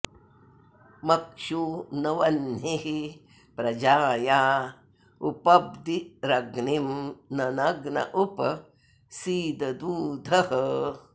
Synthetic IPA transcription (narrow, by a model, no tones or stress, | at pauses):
mɐkʂunɐʋɐnɦiɦi | pɾɐd͡ʒaːjaː | upɐb̚d̪iɾɐɡnimnɐnɐɡnɐ̰ʔupɐ | siːd̪ɐd̪uːd̪ʱɐɦɐ